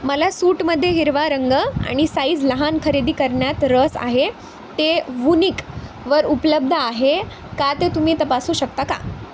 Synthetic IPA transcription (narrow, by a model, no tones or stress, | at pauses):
məlasuːʈməd̪ʱːjeɦiɾʋaɾəŋɡəa̰ɽ̃isaiːt͡sləɦankʰəɾed̪iːkəɾɳjat̪ɾəsa̰ɦe | t̪eʋunik | ʋəɾupləb̚d̪ʱəaɦe | kat̪et̪um̤iːt̪əpasuːɕək̚t̪aka̰